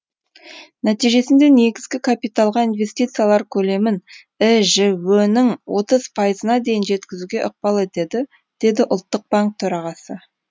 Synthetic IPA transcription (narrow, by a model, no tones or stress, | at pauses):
næt̪ijʒe̞sɪnd̪e̞ne̞ɡʲɪzɡʲɪkʰapijt̪alˠʁɑinve̞st̪it̪sɨjalˠɑɾkʲʰɵle̞mɪn | ɪʒɪwɵnɪŋwo̞t̪əz̥pʰɑjəzənɑd̪e̞jɪnʒe̞t̪kʲɪzuɡʲe̞ʔʊq̚pɑlˠe̞t̪e̞d̪ɪ | d̪̥e̞d̪ɪʔʊlˠt̪ːəq̚baŋk̚t̪ʰɵɾɑʁɑsə